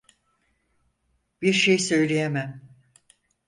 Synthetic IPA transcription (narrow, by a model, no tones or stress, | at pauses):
b̥iɾʃejsø̞jlʲejemæm